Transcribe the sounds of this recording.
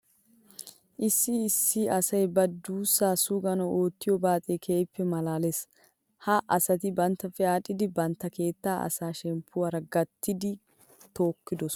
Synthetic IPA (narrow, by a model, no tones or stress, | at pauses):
ʔɪsːɪːsːɪɐsɐjbɐd̪uːsːaːsʊɡɐnɔʔo̞ːt̪ːɪjɔbaːt̪ʼeːkʰeːpːɛmɐlaːles | hɐʔɐsɐt̪ɪbɐnt̪ːɐfɛaːᶑɪd̪ɪbɐnt̪ːɐke̞ːt̪ːaːʔɐ̰saːʃɛmpʰːʊwaɾɐɡɐt̪ʰːɪd̪ɪ | t̪o̞ːkːɪd̪ɔs